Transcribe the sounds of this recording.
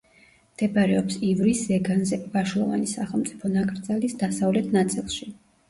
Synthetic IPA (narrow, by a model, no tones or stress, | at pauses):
md̪̥ɛbaɾɛɔpsivɾiszɛɡanzɛvaʃlˠɔva̰nisaχɛlˠmt̪sʼi̥pʰɔnakʼɾd̪zalisd̪asavlɛt̪ʰnat̪sʼilˠʃi